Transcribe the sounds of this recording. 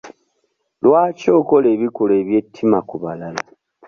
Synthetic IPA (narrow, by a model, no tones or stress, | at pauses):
lwaːco̞ːko̞le̞ːβikole̞ːβje̞tʰːimakuβalala